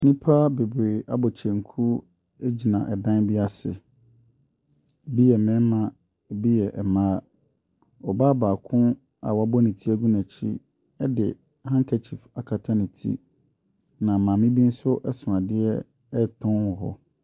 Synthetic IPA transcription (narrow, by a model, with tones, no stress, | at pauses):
nĩ˦pʰa˦be˨bɾeː˨a˨bɔ˨t͡ɕʰɛ̃˨ŋ̩˨kʰu˦ | e˦d͡ʑi˨nã˨ʔɛ˨dã˦n˦bi˦a˦sɪ̰˨ | bi˦jɛ˨mɛ̃˦mã˨ | bi˦jɛ˨ʔɛ˨mãː˦ | ɔ˨baː˦baː˨kʰʊ̃˦ | a̰˨wa˦bɔ˦nĩ˨tʰi˦æ˦ɡũ˦næ̃˨t͡ɕʰḭ˦ | ɛ˦dɪ˨ | hã˦ŋ˦kʰæ˨t͡ɕʰi˨fa˨kʰa˨tʰa˦nĩ˨tʰḭ˦ | nã˨mã˨mɪ̃˦bi˦n̩˦sʊ˦ʔɛ˦sʊ̃˨ã˨dɪ˦ɛ˦ | ɛ˦˨tʰɔ̃˦nwʊ˨ɦɔ̰˦